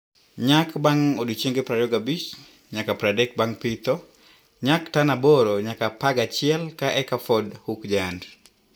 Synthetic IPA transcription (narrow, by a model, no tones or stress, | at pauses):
ɲakbaŋodit͡ʃeŋɡepɾajɔɡabit͡ʃ | ɲakapɾadɛk̚baŋpit̪ɔ | ɲaktanaboɾoɲakapaɡat͡ʃɪɛlkaʔɛkafɔdhukd͡ʒand